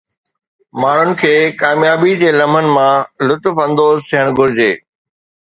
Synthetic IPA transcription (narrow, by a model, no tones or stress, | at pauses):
maːɳ̤ʊnɪ̆kʰeːkaːmjaːbid͡ʑeːlɐmənɪ̆mãlʊt̪ʊfɐ̃nd̪oːzt̪ʰiɦəɽ̃ɡʱʊɾɪd͡ʑeː